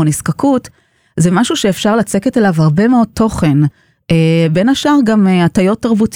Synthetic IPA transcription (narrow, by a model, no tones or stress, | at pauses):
oniskakut | zemaʃuʃeːfʃaʁlat͡se̞ketelavhaʁbe̞meo̞d̚t̪ʰo̞χe̞n | ebe̞naʃaʁɡameatajo̞tːaʁbut